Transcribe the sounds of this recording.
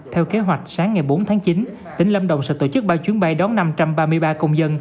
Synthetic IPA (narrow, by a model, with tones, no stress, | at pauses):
t̪ʰɛ˧wke˨˦ɦwa˨˩jk̟̚saː˨˦ŋːa˨˩jɓo˨˦nt̪ʰaː˨˦ŋt͡ɕi˨˦n | t̪ï˨˩˦ŋ̟lə˧mɗə̰˧˨wŋ͡msɛ̰ː˧˩t̪o̰˧˩t͡ɕɨ˦˥k̚ɓaː˧wt͡ɕwi˨˦ənɓa˧jɗɔ˨˦nna˧mt͡ɕa˧mɓaː˧mɨ˧əjɓaː˧kə˧wŋ͡mzə˧n